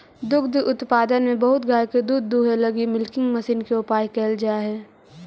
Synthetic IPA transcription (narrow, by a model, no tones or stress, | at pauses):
d̪ʊkd̪ʊt̪paːd̪ənmẽbɐɦʊt̪ɡaːjked̪uːd̪ːuːɦelɐɡimɪlkɪ̃ŋɡmɐsiːnkeʊpaːjkɛːld͡ʒaaɦɛː